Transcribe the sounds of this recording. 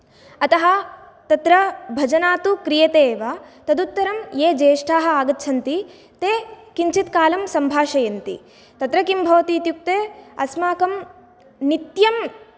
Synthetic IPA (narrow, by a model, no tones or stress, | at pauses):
ɐt̪ɐɦɐ | t̪ɐt̪ɾɐbʱɐd͡ʒɐnaːt̪ukɾijɐt̪eːʋɐt̪ɐd̪ut̪ːɐɾɐmjeːd͡ʒeːʂʈʰaːɦɐ̆aːɡɐt̪ːʃʰɐnt̪i | t̪eːkiɲt͡ʃit̪kaːlɐmsɐmbʱaːʃɐjɐnt̪ḭ | t̪ɐt̪ɾɐkimbʱɐʋɐt̪iːt̪juk̚t̪eːɐsmaːkɐm | nit̪jɐm